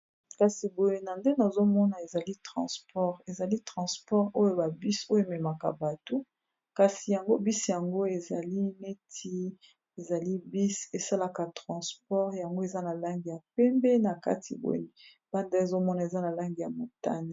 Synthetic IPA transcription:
ka˨si˨bo˨je˦na˨nde˦na˨zo˦mɔ˦na˨e˨za˨li˦tʁɑ̰̃˨spɔ˦ʁe˨za˨li˦tʁɑ̃˨spɔ˦ʁo˦jo˦ba˨bi˦so˦jo˦e˨mɛ˨ma˨ka̰˨ba˨to˦ | ka˨si˨ja˨ŋɡo˦bi˦si˨ja˨ŋɡo˦e˨za˨li˦ne˦tʰi˦ | e˨za˨li˦bi˦se˨sa˦la˨ka˨tʁɑ̃˨spɔ˦ʁja˨ŋɡo˦e˨za˦na˨la˦ŋɡi˨ja˨pɛ˦mbɛ˦na˨ka̰˦tʰi˨bo̰˨j | b̥a˦nda˦e˨zo˦mɔ˦na˨e˨za˦na˨la˦ŋɡi˨ja˨mo˨ta̰˦ni˨

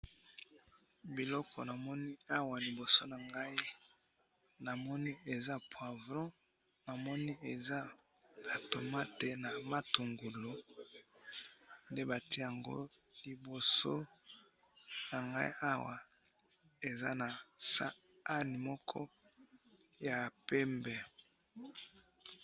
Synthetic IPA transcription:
bi˨lɔ˦kʰɔ̰˨na˨mɔ˦ni˦a˦wa˨li˨bo˨so˦na˨ŋɡa˦i˦ | na˨mɔ˦ni˦e˨za˦pʰwa˨vlɔ̃˦ | na˨mɔ˦ni˦e˨za˦ | na˨to˨ma˦te˨na˨ma˦tu˨ŋɡu˨lo˦ | nde˦ba˨ti˦ja˨ŋɡo̰˦li˨bo˨so˦ | na˨ŋɡa̰˦ḭ˦ʔa˦wa˨ | e˨za̰˦na˨sa̰˦ | a˦ni˨mɔ˦kʰɔ̰˦ | ja˨pɛ˦mbɛ˨

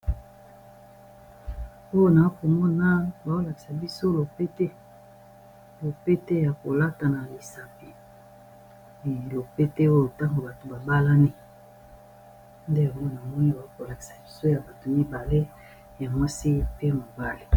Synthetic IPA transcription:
o˦jo˦na˨˦ko˨mɔ˦na˦ba˨o˦la˨ki̥˨sa˨bi˦so˦lo˨pe˦te˦ | lo˨pe˦te˦ja˨ko˨la˦ta˨na˨li˨sa˨pi˨ | lo˨pe˦te˦o˦jo˨ta˦ŋɡo˨ba˨to˨ba˨ba˦la˦ni˦ | nde˦˨o˦ɡo˦˨na˨mɔ˦ni˦ba˨o˦ko˨la˨ki̥˨sa˨bi˦so˦ja˨ba˨to˨mi˦ba˨le˦ | ja˨mwa˦si˦pe˦mo˨ba˦le˨

